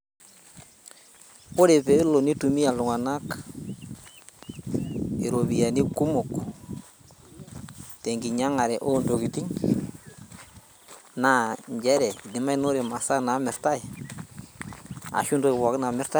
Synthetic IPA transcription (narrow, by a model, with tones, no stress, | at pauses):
kʊ˦ɾe˨pe˨˦lo˨ni˦tu˨mi˦a˨lʊ˨ŋa˨na˦k | i˨ɾo˨βi˨ja˨ni˦ku˦mʊ˨k | te˨ŋɡi˨ɲa˦ŋa˨ɾɛ˨ʔo˦ndo˨ki˨ti˦ŋ | na˦ɲɟɛ˦ɾɛ˨dɪ˨ma˦i˦no˦ɾɛ˨ma˨sa˦na˨mɪ˨ɾta˦j | a̰˨ʃu˦ndo˦ɪ˨wɔ˨kna˨mɪ˦ɾta˦